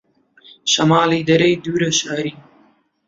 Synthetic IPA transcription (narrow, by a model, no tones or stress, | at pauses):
ʃɐmaːliːd̪ɐɾɐjd̪uːɾɐʃaːɾiː